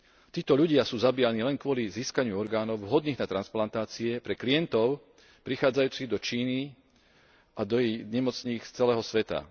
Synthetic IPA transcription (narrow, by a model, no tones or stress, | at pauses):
t̪iːt̪ɔʎuɟɪasuːzabiːjaniːlɛnkʊɔliziːskaɲɪuɔɾɡaːnɔʊɦɔd̪niːɣnat̪ɾansplant̪aːt͡siɛpɾɛklijɛnt̪ɔʊ | pɾixaːd͡zajuːt͡siɣd̪ɔt͡ʃiːni | ʔad̪ɔjiɲɛmɔt͡sɲiːkt͡sɛlɛːɦɔsʋɛt̪a̰